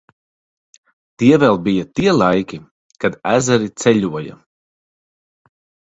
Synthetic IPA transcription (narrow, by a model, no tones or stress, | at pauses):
t̪iɛvɛlˠbijat̪iɛlˠajkʲi | kad̪æzɛɾit̪sɛʎʲuɔjɐ̰